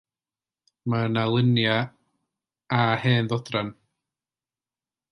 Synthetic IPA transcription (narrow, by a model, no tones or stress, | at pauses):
manalˠɪnja | aheːnðɔdran